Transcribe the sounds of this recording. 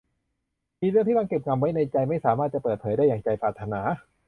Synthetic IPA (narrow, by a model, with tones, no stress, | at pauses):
miː˧ɾɯ˥˩ŋt̪ʰiː˥˩a˧ŋke˨˩p̚ŋa˧mwa˦˥jna˧jt͡ɕa˧jma˥˩jsaː˩˦maː˥˩t̪̚t͡ɕa˨˩pɤː˨˩t̪̚pʰːjdaː˥˩jaː˨˩ŋt͡ɕa˧jpʰɾaː˨˩t̪ʰːa˧naː˩˦